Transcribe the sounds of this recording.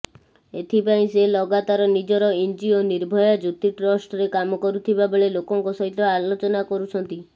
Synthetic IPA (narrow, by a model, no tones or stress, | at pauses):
et̪ʰipaĩselɔɡat̪aɾɔnid͡ʒɔɾɔind͡ʒioniɾbʱɔjad͡ʒut̪iʈɾɔsʈɔɾekamɔkɔɾut̪ʰibabeɭelokɔŋkosɔɦit̪ɔalot͡ʃɔnakɔɾut͡ʃʰɔnt̪i